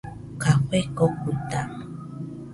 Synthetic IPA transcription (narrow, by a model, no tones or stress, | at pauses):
kaxʷekokut̪a̰